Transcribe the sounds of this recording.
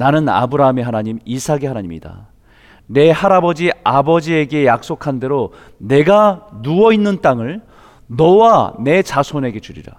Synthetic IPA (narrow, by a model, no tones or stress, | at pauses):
nanɯna̰bɯɾaɯme̞ɦanaɲimisʰaɡe̞ɦanaɲimɲḭda̰ | ne̞haɾabʌd͡ʑiabʌd͡ʑie̞ɡe̞jak̚s͈okʰande̞ɾo | ne̞ɡanuʌinːɯnt͈aŋɯɭ | nʌwane̞t͡ɕasʰone̞ɡe̞t͡ɕuɾḭɾa̰